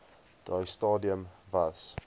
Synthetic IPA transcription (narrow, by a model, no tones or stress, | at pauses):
d̥ajstɑːdiə̃mvas